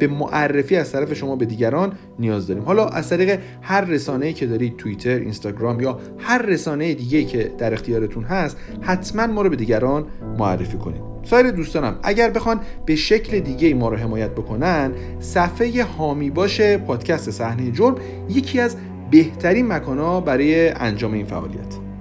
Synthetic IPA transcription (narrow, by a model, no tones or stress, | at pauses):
b̥e̞moʔærːe̞fiːæzt̪ʰæɾæfe̞ʃo̞mɒːbe̞d̪iːɟæɾɒːnː | ijɒːzd̪ɒːɾiːmhɒːlɒːʔæ̰zt̪ʰæɾiːɣe̞ | hæɾːe̞sɒːne̞jiːcʰe̞d̪ɒːɾiːd̪̚t̪ʰuit̪ʰe̞ɾḭnst̪ɒːɡɾɒːmjɒː | hæɾːe̞sɒːne̞jed̪iːɟe̞iːcʰe̞d̪̥æɾe̞xt̪ʰijɒːɾet̪ʰunɦæst̪ | hæt̪ʰmænmɒːɾɔbe̞d̪iːɟæɾɒnmoæ̰rːe̞fiːkʰo̞nḭd̥̪sɒːeɾed̪uːst̪ɒːnæ̰mæ̰ɟæɾbe̞xɒnb̥e̞ʃe̞cʰle̞d̪iːɟe̞imɒːɾɒɦe̞mɒːjæt̪̚bo̞kʰo̞nænd̪ | sæfeje̞hɒːmiːbɒːʃe̞pʰɒːd̪̥cʰæst̪e̞sæhnejed͡ʒoɾm | je̞cʰiːæz | be̞ht̪ʰæɾiːnmækʰɒːnɒːbæɾɒːjeʔæ̰nd͡ʒɒːme̞iːnfæ̰ʔɒ̰ːlḭæ̰t̪ʰ